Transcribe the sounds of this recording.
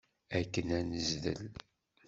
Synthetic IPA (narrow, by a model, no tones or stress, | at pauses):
ækːənænəzðə̰l